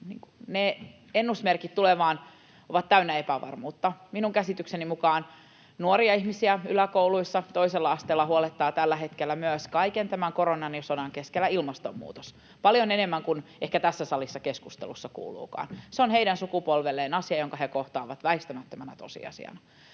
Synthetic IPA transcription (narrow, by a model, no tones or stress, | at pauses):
nḭːŋkunne | enːusmerkit̪t̪uleʋɑːn | oʋɑt̪t̪æynːæepæʋɑ̰rmuːt̪ːɑminuŋkæsit̪yksenimukɑːn | nuoɾiɑihmisiæylækouluisːɑt̪oiselːɑɑst̪eːlːɑhuolet̪ːɑːt̪ælːæhet̪kelːæmyøskɑikent̪æmæŋkoɾonɑnsodɑŋkeskelːæilmɑst̪omːṵːt̪os | pɑljonenemːæŋkunehkæt̪æsːæsɑlisːɑkeskust̪ḛlusːɑkṵːlṵːkɑ̰ːnseonheidænsukupolʋelːeːnɑsiɑjoŋkɑhekoht̪ɑːʋɑt̪ʋæist̪æmæt̪ːømænæ̰t̪osḭɑ̰sḭɑ̰nɑ